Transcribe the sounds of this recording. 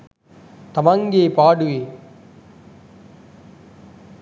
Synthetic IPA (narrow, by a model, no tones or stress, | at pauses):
t̪ɐmaŋɡeːpaːɽɯʋeː